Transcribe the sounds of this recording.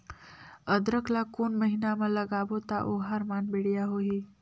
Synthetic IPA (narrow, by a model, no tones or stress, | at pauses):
əd̪ɾəklakonməɦinamələɡaʋot̪aʔoɦaɾmanbeɽijaɦoɦi